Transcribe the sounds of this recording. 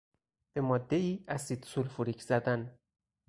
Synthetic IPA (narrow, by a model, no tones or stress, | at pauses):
b̥e̞mɒːd̪ːe̞iːæsiːd̪sulfuɾicʰz̥æd̪æn